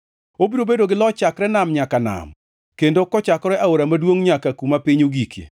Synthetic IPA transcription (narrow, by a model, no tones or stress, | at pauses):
obiɾobedoɡɪlɔt͡ʃakɾɛnamɲakana̰m | kendokɔt͡ʃakɔɾɛʔaoɾamadwoŋɲakakumapɪɲoɡikjḛ